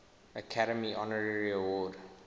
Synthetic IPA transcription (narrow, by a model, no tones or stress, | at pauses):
əkʰaɾəmiʔɔnəɹəɹiəwɔːd